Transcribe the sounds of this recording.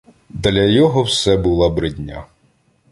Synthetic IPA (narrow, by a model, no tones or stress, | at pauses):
d̪lʲɐjɔɦɔwsɛbʊlˠabɾɪdʲnʲa̰